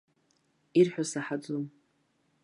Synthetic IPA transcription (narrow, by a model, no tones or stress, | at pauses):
irħʷᶣasaħad͡zum